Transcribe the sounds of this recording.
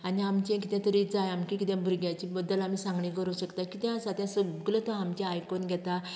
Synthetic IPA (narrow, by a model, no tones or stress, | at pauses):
aniamt͡ɕẽkit̪ɛ̃t̪əɾid͡zajamkẽkit̪ɛ̃bʱuɾɡjat͡ɕibəd̪ːəlamiːsãŋɡɳĩkəɾəʋɕəkt̪akit̪ɛ̃əsat̪ʰjãsəɡlət̪ɔamt͡ɕẽajkonɡʱɛt̪a